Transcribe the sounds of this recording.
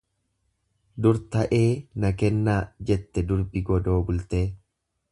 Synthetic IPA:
d̪ʊɾt̪ɐʔe̞ːnɐkɛnːaːd͡ʒɛt̪ːɛd̪ʊɾbɪɡɔd̪o̞ːbʊlt̪e̞ː

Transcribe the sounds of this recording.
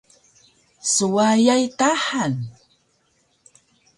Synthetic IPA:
suwajajtaħan

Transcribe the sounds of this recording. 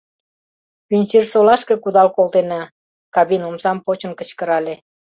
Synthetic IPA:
kynʲt͡ɕirsolɑʃke̽kud̪ɑlkolt̪enɑ | kɑβinomsɑmpot͡ɕə̆nkə̆t͡ɕkə̆ɾɑlʲe

